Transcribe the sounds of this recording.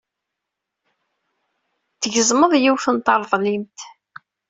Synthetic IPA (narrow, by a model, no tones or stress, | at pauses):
θəʝəzˤməðˤjiwfənt̪ɑɾˤðˤlimt̪